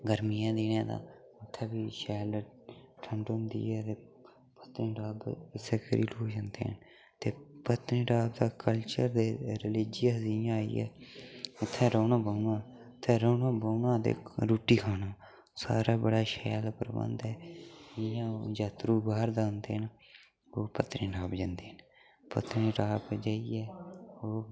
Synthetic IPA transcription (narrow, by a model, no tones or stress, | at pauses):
ɡəɾmiːãːd̪iːnẽːd̪ã̰ː | ʊt̪ʰːɛːbiːʃɛːlʈʰəɳɖʊnd̪ḭːɛːt̪eː | pət̪nĩːɾaːbɪseːkəɾḭːloːd͡ʒənd̪ḛːn | t̪eːpət̪nĩːɖaːbd̪aːkəlt͡ʃəɾd̪eːɾəlɪd͡ʒijaziːjãːaːḭːɛ̰ːʊt̪ʰːɛ̃ːɾoːnãːbəunãː | t̪ʰɛːɾoːnãːboːnãːd̪ḛːɾuːʈiːkʰaːnaː | sa̰ːɾaːbəɽaːʃɛ̰ːlpəɾəbə̰̃nd̪ɛːɪjãːd͡ʒaːt̪ɾuːbaːɾd̪aːʊnd̪ḛːɦən | oːpət̪ɾĩːɾaːbd͡ʒãːnd̪eːɦən | pə̰t̪niːɾaːbd͡ʒaːiːɛːoː